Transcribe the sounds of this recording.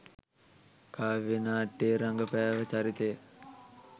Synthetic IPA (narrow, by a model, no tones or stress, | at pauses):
kʰaːʋenaːʈːeːɾaŋɡəpɛːʋət͡ʃaɾit̪ejə